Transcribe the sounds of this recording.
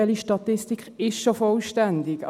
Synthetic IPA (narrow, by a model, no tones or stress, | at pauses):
ɛliʃtɑt̪ɪstikχɪʃʃofɔlʃtændɪkɑ